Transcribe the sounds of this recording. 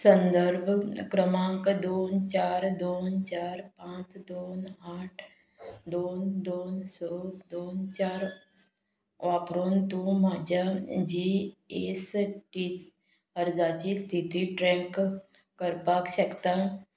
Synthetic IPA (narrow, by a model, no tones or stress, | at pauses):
sə̃nd̪əɾbʱkɾəmãːŋkd̪oːnt͡ʃaːɾd̪oːnt͡ʃaːɾpãːt͡ʃd̪oːnaːʈʰ | d̪oːnd̪oːnsɔːd̪oːnt͡ʃaːɾ | ʋaːpɾoːnt̪umaːd͡ʒad͡ʒiesʈi | əɾd͡ʒaːt͡ʃist̪ʰit̪iʈɾɛ̃ːk | kəɾpaːkʃəkt̪a